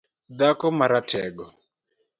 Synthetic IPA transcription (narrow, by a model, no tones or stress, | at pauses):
d̪akɔmaɾatʰɛɡɔ